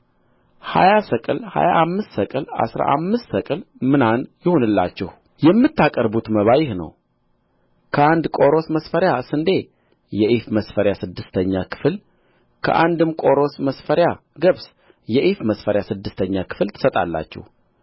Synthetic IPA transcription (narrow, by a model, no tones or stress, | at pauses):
ha̰jasəkʼɨlha̰jaʔamːɨst̪səkʼɨla̰sɾa̰ʔa̰mːɨst̪səkʼɨlmɨnanjɪho̞nɨlːa̰t͡ʃːɛh | jɛmːɨt̪ːakʼəɾbut̪məβajɪhnə̰w | kʰəand̪kʼo̞ɾo̞sməsfəɾjasɨnd̪e̞ | jɛʔifməsfəɾjasɨd̪ːɨst̪ʰəɲːakʰɨ̥fɨl | kʰə̰ʔand̪ɨmkʼo̞ɾo̞sməsfəɾja | ɡəβs | jɛʔifməsfəɾjasɨd̪ːɨst̪ʰəɲːakʰɨ̥flt̪ʰɨ̥sət̪ʼa̰lːa̰t͡ʃːɛ̰h